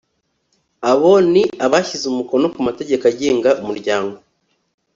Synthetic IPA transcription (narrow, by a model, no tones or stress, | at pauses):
aβo̞niʔaβaçizumuko̞no̞kumate̞ɟe̞kaɟeːŋɡaʔumuɾɟaːŋɡo